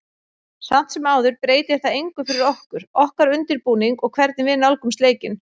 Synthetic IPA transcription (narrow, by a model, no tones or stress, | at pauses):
sam̥t̪sɛmaːwðʏɾpɾeːjt̪ɪɾ̥θaðejŋkʏfɪɾɪɾɔhkʏɾ̥ɔhkaɾʏnt̪ɪɾpuːniŋkɔɣkʰvɛɾt̪̚nɪvɪðnalkʏmst̪eːjcɪn